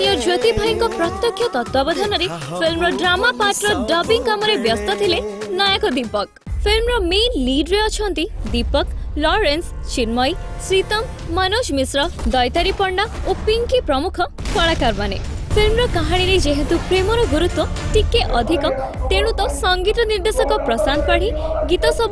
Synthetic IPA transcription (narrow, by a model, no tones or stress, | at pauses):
nijɔd͡ʒot̪ibʱajiŋkɔpɾɔt̪jɔkʰːjɔt̪ɔt̪wabɔd̪ʱanɔɾe | fʰilmɾɔɖɾamapaʈɾɔɖɔbiŋkamɔɾebjɔst̪ɔt̪ʰilenajakɔd̪ipɔk̚ | pʰilmɾɔmenliɖɾeɔt͡ʃʰɔnt̪id̪ipɔklɔɾenst͡ʃiɾmɔj | sɾit̪ɔmː | anoʃmisɾɔd̪ɔjt̪aɾipɔɾɳːnaopiŋkipɾɔmukʰɔ | kɔɭakaɾmanḛpʰilmɾɔkaɦaɽ̃iɾed͡ʒeɦẽt̪upɾemɔɾɔɡuɾut̪wɔʈikːeʔɔd̪ʱikɔt̪eɽ̃ũt̪ɔsɔŋɡit̪ɔniɾd̪esɔkɔpɾɔsan̚paɽ̤iɡit̪ɔsɔb